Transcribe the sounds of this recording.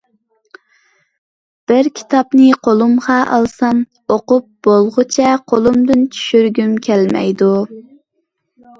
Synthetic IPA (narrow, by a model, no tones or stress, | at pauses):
b̥ɪɾkʲʰi̥t̪ʰɑpnɨqʰolˠumʁɑʔɑ̰lˠsɑn | oqʊp̚b̥olˠʁʊt͡ʃʰɛqʰolˠumd̪ɪnt͡ʃʰy̥ʃyɾɡʲymkʲʰælmɛ̰jd̪u